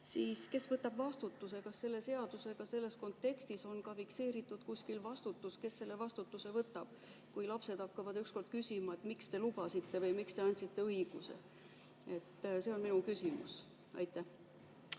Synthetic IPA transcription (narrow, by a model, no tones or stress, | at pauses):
siːske̞svɤt̪ːˑɑb̥vɑst̪ut̪ːˑuse̞kɑsːe̞lːe̞se̞ɑd̪use̞ɡ̥ɑse̞lːe̞sko̞nt̪ːe̞kst̪iso̞nkɑfikse̞ːɾit̪ːˑud̥̪kusʲkilvɑst̪ut̪ːˑuske̞sːe̞lːe̞vɑst̪ut̪ːˑuse̞vɤt̪ːˑɑb̥ | kujlɑpse̞d̪̥ɑkːɑvɑd̪yksko̞rd̪̥̚kysʲimɑet̪mikst̪e̞lubɑsit̪ːe̞vɤjmikst̪e̞ɑnʲsit̪ːe̞ɤiɡ̥use̞̰ | e̞t̪ːˑse̞o̞nminukysimṵs | ɑ̰jt̪ːˑæh